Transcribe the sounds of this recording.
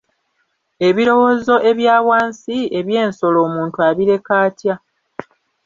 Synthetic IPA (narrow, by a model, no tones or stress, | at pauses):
e̞βiɾo̞wo̞ːzo̞ʔe̞βjaːwaːnsie̞βje̞ːnso̞lo̞ːmuːntuaβiɾe̞kaːtja